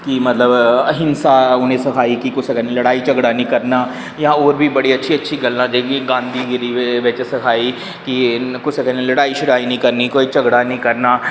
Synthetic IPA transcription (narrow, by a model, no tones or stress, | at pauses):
kimɐt̪ləbɐɦɪnsaʊnɦẽsɐkʰaːikikʊt͡ʃʰsəkɛnelɐɽaːit͡ʃɐɡɽanĩkɐɾnaː | jãoːɾbʱibɐɽiɐtːʃʰiɐtːʃʰiɡəlːãd͡ʒeɡiɡãːnd̪ʱiɡɾieʋet͡ʃsɐkʰaːi | kikʊt͡ʃʰsəkɛnelɐɽaːiʃɪɾaːinəĩkɐɾnikoːit͡ʃɐɡɽanəĩkɐɾnaː